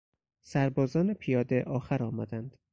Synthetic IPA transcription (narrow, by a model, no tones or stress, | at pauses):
sæɾbɒːzɒːnepʰijɒːd̪eʔɒːxæɾɒːmæ̰ːd̪ænd̪̥